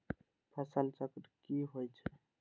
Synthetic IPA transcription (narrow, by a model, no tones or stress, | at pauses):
pʰəsəlt͡ʃəkɾkiɦojt͡ʃʰɛ